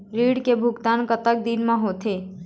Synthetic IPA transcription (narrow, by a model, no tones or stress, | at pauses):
ɾiɽkebʱuɡt̪ankət̪ək̚d̪inmãɦot̪ʰe